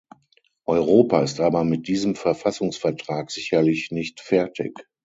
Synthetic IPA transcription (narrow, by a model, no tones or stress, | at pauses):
ʔɔʏʁoːpaɪstʔaːbɐmɪt̚d̥iːzəmfɛɐfasʊŋsfɛɐtʁ̥aːkz̥ɪçɐlɪçnɪçtfɛɐtʰɪ̰k